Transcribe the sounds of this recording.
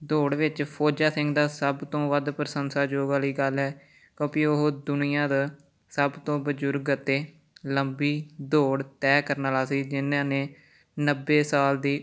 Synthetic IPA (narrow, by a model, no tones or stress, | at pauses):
d̪oːɽʋɪt͡ʃpʰoːd͡ʒaːsɪ̃ŋɡd̪aːsəbt̪õːʋəd̪pəɾəsənsaːd͡ʒoːɡaːliːɡəlɦɛː | kjõːpiːoɦd̪ʊnijãːd̪aː | səbt̪õːbəd͡ʒʊɾɡət̪ːeː | ləmbiːd̪oːɽt̪ɛːkəɾnaːlaːsiːd͡ʒɪnːãːnẽː | nəbːeːsaːld̪iː